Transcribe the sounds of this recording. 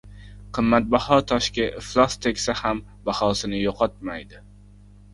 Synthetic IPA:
qʰɨmːat̪̚bahɒt̪ʰɒʃkʲɪflˠɒst̪ʰekʲsaham | bahɒsɪnɪjoqʰɒt̪̚majd̪ɪ

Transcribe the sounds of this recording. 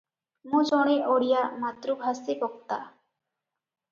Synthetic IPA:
mũd͡ʒɔɽ̃eʔoɽijamat̪ɾubʱasibɔk̚t̪a̰

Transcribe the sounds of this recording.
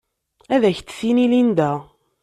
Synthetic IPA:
æðæçt̪ːsinilind̪æ

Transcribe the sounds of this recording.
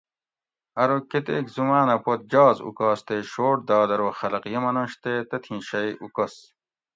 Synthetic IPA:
ɐɾoket̪ekzumaːnɐpot̪̚d͡ʑaːzṵkaːst̪eɕoːʈ̚d̪aːd̪ɐɾoxɐlɐqjemɐnoɕt̪eːt̪ɐt̪ʰĩːɕɐjʔukɐs

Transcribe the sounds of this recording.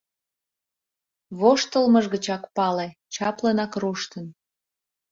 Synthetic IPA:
βoʃt̪əlməʒɣət͡ɕɑkpɑlet͡ɕɑplənɑkruʃt̪ən

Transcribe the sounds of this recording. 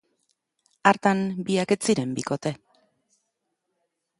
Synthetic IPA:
aɾt̪ambiake̞t͡siɾe̞mbiko̞t̪e̞

